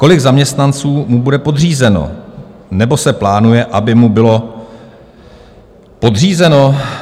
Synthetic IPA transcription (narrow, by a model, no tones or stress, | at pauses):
ko̞lɪɡzamɲɛst̪nant͡suːmubudɛpo̞dr̝iːzɛno̞̰nɛbo̞sɛplaːnujɛʔabɪmubɪlo̞ | po̞dr̝iːzɛno̞